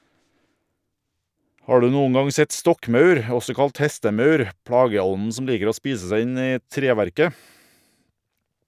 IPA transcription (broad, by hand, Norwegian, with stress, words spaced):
ˈhɑː ˈɖʉː ˈnuːən ˈɡɑŋ ˈsɛt ˈstɔkˌmɑʉɾ ˈɔsɔ ˈkɑlt ˈhɛstəˌmɑʉɾ ˈpɽɑːɡəˌɔnn̩ ˈsɔm ˈliːkəɾ ˈoː ˈspiːsə ˈsæɪ ˈɪn ˈiː ˈtɾeːˌʋæɾkə